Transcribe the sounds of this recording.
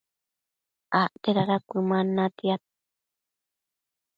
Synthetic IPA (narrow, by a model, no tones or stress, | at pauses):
aʔt̪eɾaɾakʷɨmãnãt̪iat̪̚